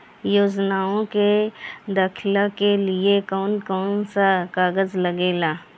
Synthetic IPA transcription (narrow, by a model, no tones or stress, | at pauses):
joːd͡ʒnaːõked̪ɐkʰɪlakelɪekɔːnkɔːnsakaːɡəzləɡeːlaː